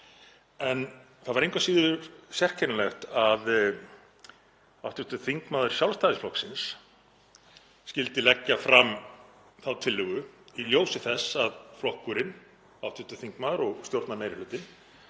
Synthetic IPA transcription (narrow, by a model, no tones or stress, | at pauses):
ɛn | θaðvaɾejŋkvasiːðʏsjɛr̥cʰɛnalɛxt̪að | awht̪ʏht̪ʏθiŋkmaːðʏɾ̥sjawlst̪aːðɪsflɔhksɪns | cɪlt̪ɪlɛcːafɾam | θawt̪ʰɪlːʏɣʏiljoːwsɪθɛsːaðflɔhkʏɾɪn | awht̪ʏt̪ʏ̥θiŋkmaːðʏɾɔɣst̪jowɾ̥t̪naɾmeːjɾɪlʏːt̪ɪn